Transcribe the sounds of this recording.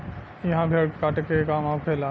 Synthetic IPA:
jɐɦãbʱekaːʈkekaːmaːkʰeːlaː

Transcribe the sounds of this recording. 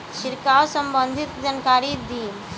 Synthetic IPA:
ʃiɾkawsəmbənd̪ʱit̪d͡zənkaɾid̪iːm

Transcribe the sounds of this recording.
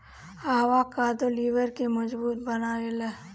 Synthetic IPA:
aːɦʋakaːd̪oliːʋəɾkemɐd͡ʒbuːt̪̚bɐnaːelə

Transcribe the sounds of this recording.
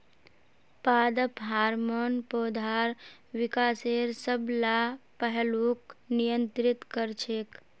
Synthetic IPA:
paːd̪əpɦaːɾmonpoːd̪ʱaɾ | wikaːseɾsəblapəɦluknijənt̪ɾit̪kəɾt͡ʃʰeːk

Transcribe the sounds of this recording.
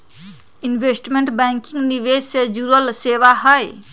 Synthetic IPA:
inbʱesʈmeɳʈbaŋkiŋɡniʋed͡ʒsed͡ʒuɾəlseʋaɦəj

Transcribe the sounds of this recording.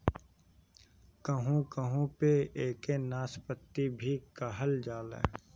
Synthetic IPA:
kəɦũkəɦũpeeːkenaːspət̪ːibʱikəɦəld͡ʒaːlḛː

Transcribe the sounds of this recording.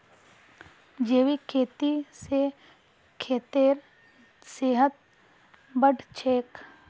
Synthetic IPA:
d͡ʒeːʋikʰeːt̪ise | kʰeːt̪eːɾ | seːɦət̪̚ | bəɖt͡ʃʰeːk

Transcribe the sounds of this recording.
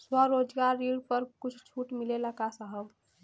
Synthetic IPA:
swəɾod͡ʒɡaɾːiɽpəɾkut͡ʃʰt͡ʃʰuʈmileləkasəɦəb

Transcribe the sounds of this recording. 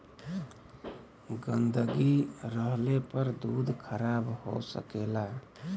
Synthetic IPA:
ɡənd̪əɡiɾəɦlepəɾd̪ud̪ʱkʰəɾabho̰sə̰kela

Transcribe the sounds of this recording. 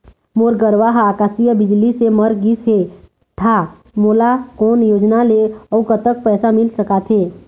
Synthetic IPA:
moːɾɡəɾʋaːɦaːkaːsijəbɪd͡ʒliseməɾɡisɦe | t̪ʰa | moːlakɔːnjoːd͡ʒnaleɔːkət̪ək̚pɛːsamɪlsəkat̪ʰɦeː

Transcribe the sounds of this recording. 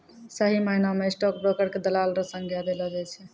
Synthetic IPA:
səɦiməinamesʈɔk̚bɾokəɾked̪əlalɾəsə̃ŋɡʱjad̪elɔd͡ʒajt͡ʃʰɛ

